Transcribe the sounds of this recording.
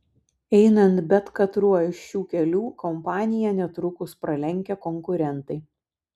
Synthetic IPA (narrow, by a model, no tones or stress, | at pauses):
ɛɪnɐnt̪bʲɛt̪kɐt̪ɾuɔɪʃʃʲuːkʲɛlʲuːkɔmpɑːnʲɪjɛnʲɛt̪ɾʊkʊspɾɐlʲɛŋʲkʲɛkɔŋkʊɾʲɛnt̪ɐɪ